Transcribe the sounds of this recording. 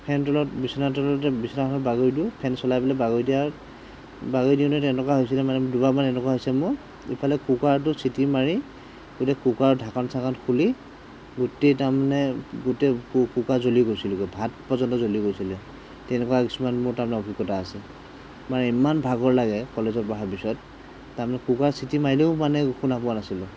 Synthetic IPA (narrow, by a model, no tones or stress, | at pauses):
pʰɛntɔlɔtbisɔnatɔlɔtɛbisɔnakʰɔnɔbaɡojdʊpʰɛnsɔlajbɛlɛbaɡojdia | baɡojdiʊnɛtɛʊ̃ntɔkaɦojsilɛmanɛdubamantɛnɔkwaɦojsɛmʊ | ipʰalɛkukaɹt̬ʊsitimaɹi | ɡutɛkukaɹdʱakɔnsakanxʰuli | ɡutejtaɹmanɛɡutɛkkukazolikojsilukɛbʱat̚pɔɹzɔntɔzolikojsilɛ | tɛnɛkɔwakisumanmʊɹtaɹmanɛɔbʱikːɔtaːsɛ | maɹimanbʱaɡɔɹlaɡɛkɔlezɔɹpaɦapisɔtː | aɹmanɛkukaɹsitimaɹilɛʊmanɛxunapʊwanasilʊ